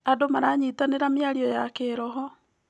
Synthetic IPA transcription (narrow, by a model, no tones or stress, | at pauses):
adomaɾaɲitaneɾamjaɾiɔjakeːɾɔɦɔ